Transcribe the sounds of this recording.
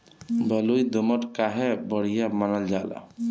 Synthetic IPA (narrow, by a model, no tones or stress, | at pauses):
bɔlujd̪omɔʈkaɦebɔɽ̤ijamanald͡ʒala̰